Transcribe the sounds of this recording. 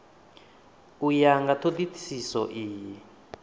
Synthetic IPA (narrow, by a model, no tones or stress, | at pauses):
ujaŋɡat̪ʰod̪itʰi̥sisɔʔiːji